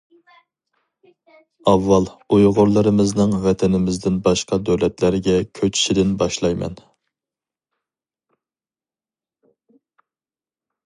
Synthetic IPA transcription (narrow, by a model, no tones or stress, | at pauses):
ɑvːɑlˠujʁʊɾlˠɨɾɨmɪznɨŋvɛt̪ʰɪnɪmɪzd̪ɪnbɑʃqɑd̪øwlɛt̪læɾɡʲɛkʲʰøt͡ʃʰi̥ʃɪd̪ɪnbɑʃlˠɑjmɛ̰n